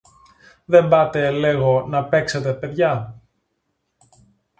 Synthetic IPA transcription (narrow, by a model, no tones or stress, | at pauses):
ðe̞mbɐt̪e̞le̞ɣo̞nɐpe̞kset̪e̞pe̞ðʝɐ